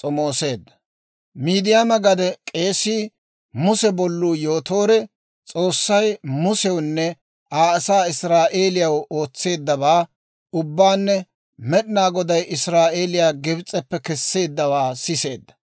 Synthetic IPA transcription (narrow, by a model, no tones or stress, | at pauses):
t͡sʼɔmoːse̞ːd̪ːɐ | miːd̪ɪjaːmɐɡɐd̪ɛkʼe̞ːsiː | mʊsɛbɔlːuːjoːt̪o̞ːɾɛ | t͡sʼo̞ːsːɐjmʊsɛwnːɛ | aːɐsaːɪsɾaːʔe̞ːlɪjɐwoːt͡sːe̞ːd̪ːɐβaː | ʊbːaːnːɛ | mɛɗɪnaːɡɔd̪ɐjɪsɾaːʔe̞ːlɪjaːɡɛbt͡sʼːɛpːɛkɛsːe̞ːd̪ːɐwaːsɪse̞ːd̪ːɐ̥